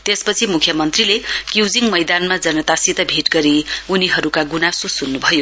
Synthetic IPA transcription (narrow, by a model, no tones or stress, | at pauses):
t̪espʌt͡sʰimukʰjʌmʌnt̪rilekjud͡ziŋmʌjd̪anmad͡zʌnʌt̪asit̪ʌbʱiʈɡʌɾiuniɦʌɾukaɡunasosunːubʱʌjo